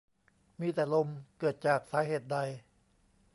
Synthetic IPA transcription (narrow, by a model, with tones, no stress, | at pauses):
miː˧t̪ɛː˨˩lo˧mkɤː˨˩t̪̚t͡ɕaː˨˩k̚saː˩˦˥ɦeː˨˩t̪̚da˧j